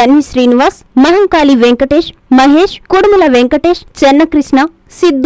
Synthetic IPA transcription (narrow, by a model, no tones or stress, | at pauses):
ɐnɦiʃɾiːniʋaːs | mɐɦɐŋkaːliʋeŋkɐʈeːʃmɐɦeːʃkuɽmulɐʋeŋkɐʈeːʃt͡ʃenːɐkɾiʃnɐ | sid̪ː